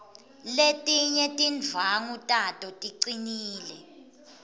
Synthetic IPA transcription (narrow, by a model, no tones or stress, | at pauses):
letʼiɲɛtʼind͡vʱaŋutʼatʼɔtʼiǀiniːlɛ